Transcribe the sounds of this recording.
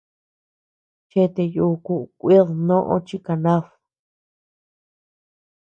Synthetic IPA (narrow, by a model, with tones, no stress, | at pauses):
t͡ʃe˦t̪e˧ju˧ku˧ʔu˧kʷi˦ðnõ˦ʔõ̰˦t͡ʃi˦ka˨nã˦f